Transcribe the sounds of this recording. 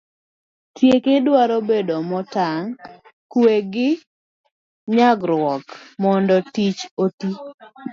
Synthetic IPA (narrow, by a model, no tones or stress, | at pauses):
tjekedwaɾobedomɔtaŋ | kweɡɪ | ɲaɡɾwɔkmɔndɔtit͡ʃoti